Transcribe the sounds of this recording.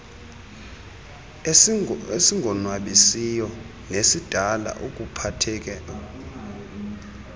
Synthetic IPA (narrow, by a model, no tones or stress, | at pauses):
esiŋʱɔnwaɓisijɔ | nesid̥ʱala̰ʔok̬ʼupʰatʰɛːk̬ɛ